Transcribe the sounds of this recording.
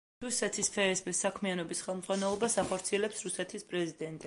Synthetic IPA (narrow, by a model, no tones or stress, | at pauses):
ɾusɛt̪ʰispʰɛɛsbɛsakʰmianɔbisχɛlˠmd̪zʁwanɛlˠɔbasaχɔɾt̪sʰiɛlɛpsɾusɛt̪ʰispʼɾɛzid̪ɛnt̪ʼi